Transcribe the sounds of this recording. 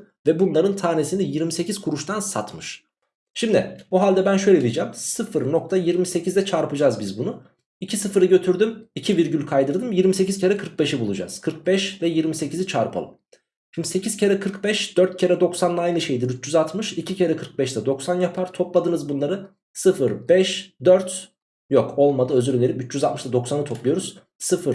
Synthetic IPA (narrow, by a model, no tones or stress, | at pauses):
vɛbunlˠaɾɯnt̪ʰaːne̞sinijiɾmise̞ciz̥kʰuɾuʃt̪ʰansa̰t̪mɯʃ | ʃimd̪ɪ̰buɦalʲd̪ɛbænʃ̬ø̞jlʲed̪ijd͡ʒɛːmsɯfɯɾno̞k̚t̪ʰajiɾmise̞cʰizd̪ɛt͡ʃʰaɾpɯd͡ʒazbizbunu | icʰisɯfɯɾɯɟø̞t̪ʰyɾd̪ymicʰiviɾɟylʲkʰajd̪ɯɾd̪ɯmjiɾmise̞cizcʰeɾɛkʰɯɾk̚be̞ʃibulˠud͡ʒa̰z̥kʰɯɾk̚bɛʃvɛjiɾmise̞cizit͡ʃʰaɾpʰa̰lˠɯ̰m | jiɾmise̞cʰiz̥cʰeɾɛkʰɯɾkbɛʃd̪̥øɾt̪̚cʰeɾɛd̪o̞ksanlˠaajnɯʃe̞jd̪iɾyt͡ʃd͡ʒyzat̪mɯʃicicʰeɾɛkʰɯɾk̚bɛʃt̪ɛd̪o̞ksanjapʰaɾt̪ʰo̞plˠad̪ɯnɯzbunlˠaɾɯ | sɯfɯɾbɛʃd̪øɾt̪ | jokʰo̞lˠmad̪ɯøzyɾnʲeɾipyt͡ʃʰːd͡ʒyzalt̪mɯʃt̪ʰad̪o̞ksanɯt̪ʰo̞plˠujo̞ɾuz̥ | sɯfɯɾ